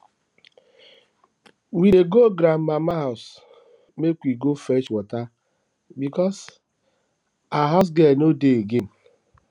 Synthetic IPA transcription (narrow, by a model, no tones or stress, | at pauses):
wiɾeɡoɡɾammamaɦas | mekʷiɡofɛt͡ʃwɔta | bikɔs | aɦaʊs̬ɡɛnodeeɡen̩